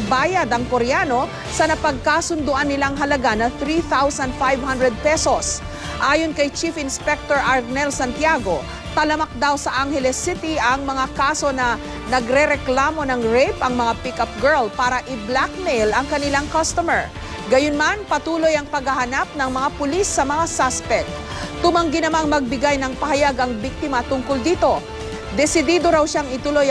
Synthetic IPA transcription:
baːjɐd̪ɐŋkoɾjaːno̞ | sɐnɐpɐɡ̚kaːsʊnd̪ʊʔanːɪlaŋɦɐlɐɡanɐθɾiθawsɐnd̪̚fajvhɐ̃nd̪ɾɛd̪̚pɛsos | ʔaːjonkɐjt͡ʃifɪnspɛk̚t̪oɹʔɐɹɡnɛlsɐnt̪jaɡo̞ | t̪ɐlɐmɐk̚d̪awsɐʔaŋhɛlɛsɪt̪iʔɐŋmɐŋakaːso̞nɐ | nɐɡɾɛɾɛklaːmo̞nɐŋɹɛjpɐŋmɐŋapɪkɐp̚ɡɛɹlpaːɾɐʔɪblak̚mɛjlɐŋkɐnɪlaŋkɐst̪omɛɹ | ɡɐjonmanpɐt̪uːlo̞jɐŋpɐɡhɐhɐnap̚nɐŋmɐŋapʊlisːɐmɐŋasaspɛk̚t̪ | t̪ʊmɐŋɡɪnɐmaŋmɐɡ̚bɪɡajnɐŋpɐhɐjaɡʔɐŋbik̚t̪ɪmɐt̪ʊŋkold̪iːt̪o̞ | d̪ɛsɪd̪iːd̪o̞ɾawʃaŋɪt̪ʊloj

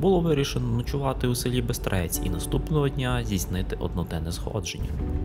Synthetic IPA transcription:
bʊlˠɔʋɪɾʲiʃenɔnɐt͡ʃʊʋɑt̪ɪusɪlʲibest̪ɾɛt͡sʲḭnɐst̪upnɔɦɔdʲnʲazʲijsʲnɪt̪ɪʔɔ̰d̪nɔd̪ɛnɛzxɔ̰d͡ʒenʲːɐ̰

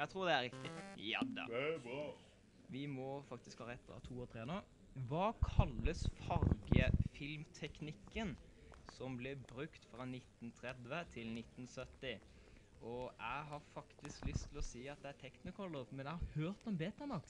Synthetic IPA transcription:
æɪt̪ʰɾuːd̪ɛæɾɪkt̪ɪjɑ̰d̪ɑ̰ | ʋɪmɔfɑk̚t̪ɪskhɑːɾɛt̪ːɑ̰t̪ʰuːɔt̪ʰɾeːnə | ʋɑːkʰɑlːəsfɑɾɡəfɪlmt̪ʰɛknɪkːən | sɔmblɛbɾʉkt̪fɾɑnɪt̪ːn̩t̪ʰɾɛd̪ʋət̪ʰɪlnɪt̪ːn̩sœt̪ːɪ | ɔæɪɦɑɾfɑkt̪ɪsklʏst̪ʰːɪlɔsiːɑt̪̚d̪ɛæt̪ʰɛknɪkʰɔlːəmɛnæɪhɑɾhøːɾt̪ɔmbeːt̪əmɑk

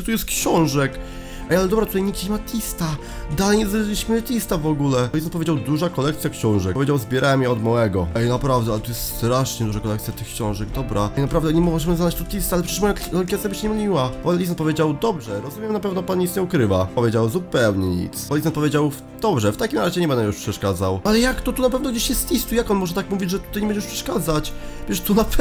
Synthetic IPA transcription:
t̪ujɛst̪̚kɕɔ̃w̃ʐɛk | ʔɛjalɛd̪ɔbɾat̪ut̪ajɲiɡ̚d͡ʑiɲɛmat̪ʲlʲist̪a | d̪alɛjɲɛzaʐilʲiɕmɘt̪ʲist̪avɔɡulɛlʲisɔn̚pɔvʲed͡ʑawd̪uʐakɔlɛkt̪sʲjakɕɔ̃w̃ʐɛkɔvʲed͡ʑawzbʲjɛɾʔawɛmjɛɔd̪mawɛɡɔɛjnapɾavd̪ɛalɛt̪ujɛst̪st̪ɾaʂɲɛd̪uʐakɔlɛkt̪sʲjat̪ɘxkɕɔ̃w̃ʐɛɡd̪ɔbɾʔajnapɾavd̪ɛɲɛmɔʐɛmɘznaat͡ɕt̪ɔt̪ʲist̪alɛpʂɛ̥ʂmɔjakkʲɛt̪jabɘɕɛɲɛmʲiwapanlʲit̪̬ɛnt̪pɔvjed͡ʑawd̪ɔbʐɛɾɔzumʲjɛmnapɛvnɔpanɲit̪sɲɛukɾɘvaɔvjed͡ʑawzupɛwɲɛɲḭt̪sanlʲit̪ɛnt̪pɔvʲed͡ʑaw | d̪ɔbʐɛft̪akʲimɾaʑɛɲɛbɛnd̪ɛmjuʂpʂɛʂkad̪zawalɛjakt̪ɔt̪unapɛvnɔɡd͡ʑeɕjɛst̪lʲist̪ujakɔnmɔʐɛt̪akmuvʲid͡ʑʐɛt̪ut̪ajɲɛbɛnɲɛuʂpʂɛ̥ʂkad̪zat͡ɕvʲɛʂt̪unapɛ

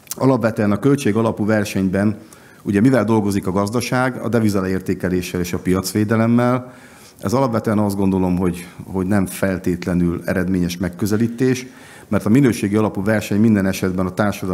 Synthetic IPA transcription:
ɒlɒpvɛt̪ːnɒkølt͡ʃeːɡɒlɒpuvɛrʃɛɲbɛn | uɟɛmivɛld̪o̞lɡo̞zikɒɡɒzd̪ɒʃaːɡɒ̰d̪ɛvizɒlɛeːrt̪eːkɛleːʃːɛleːʃɒpijɒt̪sʋeːd̪ɛlɛmːɛl | ɛ̰zɒlɒpvɛt̪ɛɛnɒzd̪ɡo̞nd̪o̞lo̞mɦo̞ɟho̞ɟnɛɱfɛlt̪eːt̪lɛnylɛ̰ɾɛd̪meːɲɛʃmɛkːø̞zɛliːt̪eːʃ | mɛrt̪ɒminøːʃeːɡiɒlɒpuvɛrʃɛɲmind̪ɛnɛʃɛd̪bɛnɒt̪aːrʃɒd̪

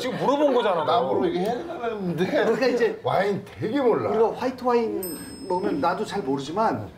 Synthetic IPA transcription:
t͡ɕiɡɯmːuɾʌbonɡʌd͡ʑananamɯɾoiɡehenɯdeɲik͈aid͡ʑe̞wainteɡemoɭːaɯɾiɡʌɸwaitʰɯwain | mʌnɯnːadot͡ɕaɭmoɾɯd͡ʑiman

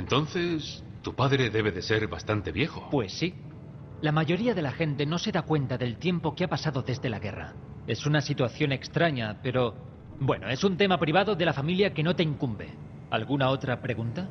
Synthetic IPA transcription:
ent̪o̞nθe̞s | t̪upaðɾe̞ðe̞β̞e̞ðe̞se̞ɾβa̰st̪ant̪e̞βje̞xo̞pwe̞sːi | lamaʝo̞ɾiaðe̞laxe̞nt̪e̞no̞se̞ðakwe̞nt̪aðe̞lt̪je̞mpo̞keapasaðo̞ðe̞zðe̞laɣe̞ra̰ | e̞sunasit̪waθjo̞ne̞kst̪ɾaɲape̞ɾo̞ | bwe̞no̞e̞sunt̪e̞mapɾiβ̞aðo̞ðe̞lafamiljake̞no̞t̪e̞iŋkumbe̞̰ | a̰lɣunao̞t̪ɾapɾe̞ɣ̞unt̪a

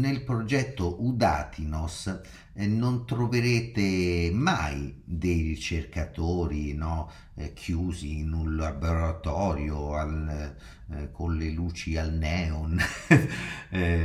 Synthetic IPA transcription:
nelpɾod͡ʒɛt̪ːoʔud̪aːt̪ʰinos | nont̪ɾoveɾeːt̪emajd̪ejrit͡ʃerkat̪oːɾinɔ | kʰjuːzinulaboɾat̪ɔːɾjoal | kʰonleluːt͡ʃialnɛːon

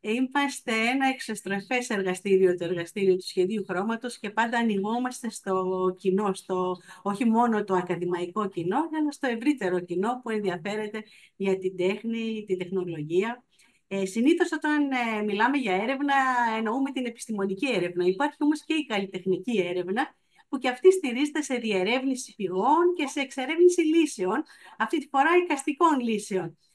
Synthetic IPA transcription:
imɐst̪e̞enɐe̞ksɐst̪ɾofe̞se̞ɾɣɐst̪iɾio̞t̪oe̞ɾɣɐst̪iɾiot̪u̥sçe̞ðiuxɾo̞mɐt̪o̞sce̞pɐnd̪ɐːniɣo̞mɐst̪e̞st̪o̞cino̞st̪o̞o̞çimo̞no̞t̪o̞ɐkɐðimɐiko̞cino̞ɐlɐst̪o̞e̞vɾit̪e̞ɾo̞cino̞pue̞nðiɐfe̞ɾe̞t̪e̞ | ʝɐt̪id̪e̞xnit̪ind̪e̞xno̞lo̞ʝiɐ | esiniθo̞so̞t̪ɐnmilɐme̞ʝɐe̞ɾe̞vnɐe̞no̞ume̞t̪ine̞pi̥st̪imo̞nicie̞ɾe̞vnɐipɐɾçio̞mo̞sce̞ikɐlit̪e̞xnicie̞ɾe̞vnɐ | puceɐft̪ist̪iɾize̞t̪ese̞ðiɐeɾe̞vnisi̥fiɣo̞nce̞se̞ːkse̞ɾe̞vnisilise̞o̞n | ɐft̪int̪i̥fo̞ɾɐikɐst̪iko̞nlise̞o̞n

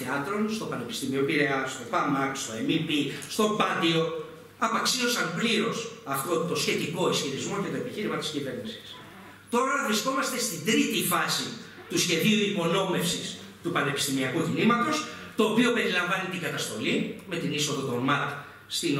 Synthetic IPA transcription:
eɐt̪ɾo̞nst̪o̞pɐne̞pi̥st̪imiopiɾeɐst̪o̞bɐmɐkst̪o̞emipist̪o̞bɐt̪io̞ | ɐpɐksio̞sɐmpliɾo̞sɐft̪o̞t̪o̞sçe̞t̪iko̞isçiɾizmo̞ce̞t̪o̞e̞piçiɾimɐt̪i̥scive̞ɾnisi̥s | t̪o̞ɾɐvɾisko̞mɐst̪e̞st̪id̪ɾit̪ifɐsi | t̪usçe̞ðiuipo̞no̞me̞fsis | t̪upɐne̞pist̪imiɐkucinimɐt̪o̞st̪o̞ːpio̞pe̞ɾilɐɱvɐnit̪iŋɡɐt̪ɐst̪o̞lime̞t̪iniso̞ðot̪o̞nmɐɾk | st̪in

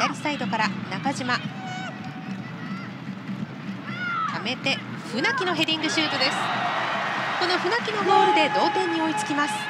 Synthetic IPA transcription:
aɾʲisaid̪o̞kaɾanakaʑima | t̪ʰame̞t̪e̞ | ɸɯ̟nakʲino̞ɦe̞ɾʲĩŋɡɯ̟ɕɨːt̪o̞d̪e̞sɨ̥ | ko̞no̞ɸɯ̟nakʲino̞ɡo̞ːɾɯ̟d̪e̞d̪o̞ːt̪ẽ̞ɲ̟ːio̞it͡sɨ̥kʲimasɨ̥

